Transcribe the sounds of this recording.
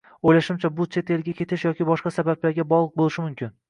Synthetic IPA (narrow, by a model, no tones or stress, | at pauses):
ojlaʃɪmt͡ʃʰabʊt͡ʃʰe̞t̪ʰe̞lɡʲakʲʰe̞t̪ʰɪʃjɒkʲɪbɒʃqɑsabablaɾɡʲabɒʁlˠɨq̚bolɪʃɪmʊmkʲɪn